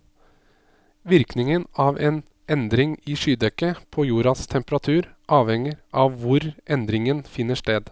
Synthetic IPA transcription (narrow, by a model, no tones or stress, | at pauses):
ʋɪɾknɪŋənɑʋʔeːn | ʔɛnd̪ɾɪŋɪʂyːd̪ɛkːəpʰɔjuːɾɑst̪ʰɛmpəɾɑt̪ʰʉːɾʔɑːʋhɛŋəɾʔɑʋʋʊɾʔɛnd̪ɾɪŋənfɪnːəʂʈeːd̪